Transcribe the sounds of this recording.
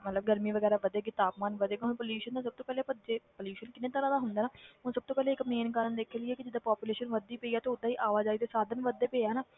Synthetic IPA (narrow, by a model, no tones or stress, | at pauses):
mət̪ləb̚ɡəɾmiːʋəɡɛːɾaːʋəd̪eːɡɪt̪aːpmaːnʋəd̪eːɡaɦʊnpəljuːʃənt̪ãːs̬əb̚t̪oːpɛːleːpəd͡ʒeːpəljuːʃənkɪnẽːt̪əɾãːd̪aːɦʊnd̪aːnaːɦʊnsəb̚t̪oːpɛːleːɪkmẽːnkəɾənd̪eːkʰelɪeːkɪd͡ʒɪd̪aːpaːpjuːleːʃənʋəd̪iːpeːiːaːt̪eːʊd̪aːiːʔaːʋaːd͡ʒaːiːt̪eːsaːd̪ʱənʋəd̪eːpeːaːnaː